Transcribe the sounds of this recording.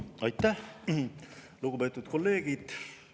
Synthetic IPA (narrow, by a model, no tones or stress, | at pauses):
ɑjt̪ːˑæh | luɡ̥ube̞ːt̪ːˑut̪ko̞lːe̞ːɡ̥id̪̥